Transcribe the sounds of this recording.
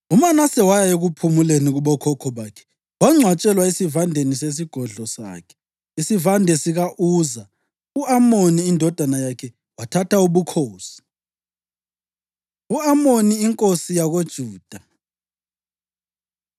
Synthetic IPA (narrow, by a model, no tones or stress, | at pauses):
umanasɛwajaeɣupʰumuleniɣuβɔkʰɔkʰɔβaːkʰɛ̥ | waŋ͡ǀʱwat͡ʃʼɛlwaesivandʱenises̬iɡ̥ʱɔɮɔsa̰ːkʰɛ̥ | isivandʱɛsiɣaʔuːza | uamoniːndʱɔd̥ʱanajakʰɛ | watʰatʰauβukʰoːsi̥ | uamoniːŋkʼosijaɣod̥ʒ̥ʱuːd̥ʱa